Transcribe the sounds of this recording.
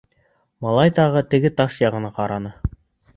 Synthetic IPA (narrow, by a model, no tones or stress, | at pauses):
mɑlˠɑjt̪ɑʁɤt̪ɘ̆ɡɘt̪ɑʃjɑʁɤ̆nɑqɑɾɑnɤ